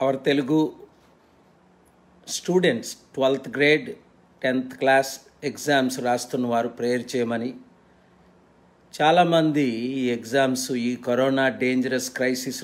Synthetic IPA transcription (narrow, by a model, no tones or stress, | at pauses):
ɐʋɐɾɐt̪e̞luɡu | sʈjuːɖe̞ɳʈsʈʋɐlt̪ʰɡɾe̞ːɖ | ʈent̪ʰklaːs | ekzaːmsɾaːst̪unːɐʋaːɾupɾeːɾt͡ʃɛːjɐmɐni | t͡ʃaːlaːmɐnd̪iiːekzaːmsiːkoɾɔːnaːɖeːɲd͡ʒɐɾɐskɾɐjsis